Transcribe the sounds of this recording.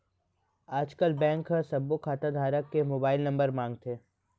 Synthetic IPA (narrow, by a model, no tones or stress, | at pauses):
aːd͡ʒkəlbɛ̃ːŋkɦəsɐbːokʰaːt̪ad̪ʱaːɾəkːemoːbaːɪlnɐ̃mbəɾmãːŋɡt̪ʰeː